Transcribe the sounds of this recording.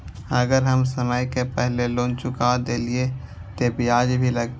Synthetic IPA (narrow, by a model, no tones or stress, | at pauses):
əɡəɾɦəmsəməjkepɛɦlelõːnt͡ʃʊkad̪eːlie | t̪obijaːd͡ʒbʱiləɡ